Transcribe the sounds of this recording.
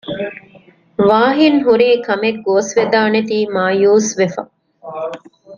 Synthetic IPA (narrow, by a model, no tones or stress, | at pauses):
ʋaːɦinɦuɾiːkɐmeɡːoːsʋed̪aːnet̪iːmaːjuːsʋefɐ̰